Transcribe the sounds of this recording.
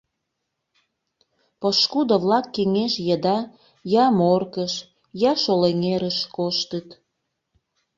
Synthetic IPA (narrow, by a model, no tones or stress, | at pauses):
poʃkud̪oβlɑkːeŋeʃjəd̪ɑ | jɑmorkəʃ | jɑʃoleŋeɾəʃkoʃt̪ət̪